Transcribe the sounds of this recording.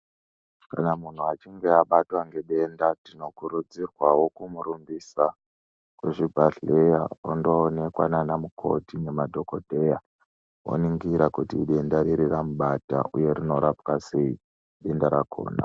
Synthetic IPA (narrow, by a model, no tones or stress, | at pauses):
kanamun̤uat͡ʃiŋɡe̞aɓatwaŋɡe̞ɓe̞ndatino̞kuɾud͡zirwawo̞kumuɾumbisa | kweʐibʱaɬejao̰ndoːne̞kwananamukʰo̞̰tine̞madʱo̞kodʱe̞ja | wo̰niŋɡiɾakutiɓe̞ndaɾiɾiramuɓata̰ʔuje̞ɾino̞ɾapkase̞i | ɓe̞ndaɾakʰo̞̰ːna̰